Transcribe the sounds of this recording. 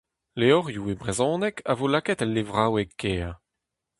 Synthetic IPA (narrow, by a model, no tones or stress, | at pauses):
leɔʁjuebʁezɔ̃ːnɛkavolakɛt̪ɛlːevʁawɛkːeːʁ